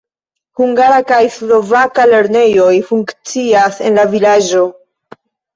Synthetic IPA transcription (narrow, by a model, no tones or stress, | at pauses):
huŋɡaɾakajslo̞vakale̞ɾne̞jo̞jfuŋkt͡siase̞̰nlavilad͡ʒo̞